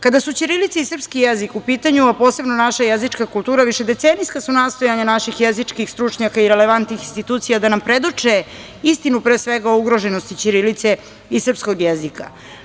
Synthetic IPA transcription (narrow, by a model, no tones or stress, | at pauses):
kad̪asut͡ɕiɾilit̪seisr̩pskijezikupiːt̪aɲuapo̞ːse̞bno̞naʃajezit͡ʂkakult̪uːɾaʋiʃe̞d̪e̞t̪senijskasunaːst̪o̞jaɲanaʃixjezit͡ʂkixst̪ɾut͡ʂɲakaiɾeleʋant̪nixinst̪it̪uːt̪sijad̪anampɾe̞d̪ut͡ʂe | ist̪inupɾeːsʋeɡaouɡɾo̞ʒenost̪it͡ɕiɾilit̪se̞ | isrpskoɡjezika̰